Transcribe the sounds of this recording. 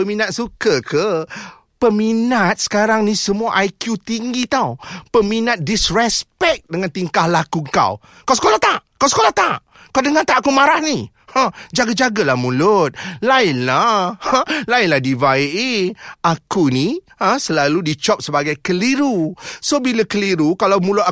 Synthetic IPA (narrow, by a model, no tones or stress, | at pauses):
pəminat̪̚sukəkʰə | pəminat̪̚sə̥kaɾaŋnisəmuaʔajkjut̪iŋɡit̪awpəminat̪̚dɪsrɛspɛk̚dəŋant̪iŋkahlakuŋka̰w | kawsə̥kolaht̪aʔkawsə̥kolaht̪aʔ | kawdəŋat̪aʔakumaɾahni | ə̃d͡ʒaɡad͡ʒaɡalahmũlʊt̪̚laɪnlahlaɪnlahdivaiʔiakuni | ə̃səlaludit͡ʃɔp̚səbaɡajkəliɾusobilakəliɾukalawmulʊt̪̚a